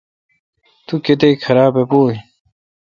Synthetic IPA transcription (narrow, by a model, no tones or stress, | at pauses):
t̪uket̪̬eːkʰɐɾaːbepoːi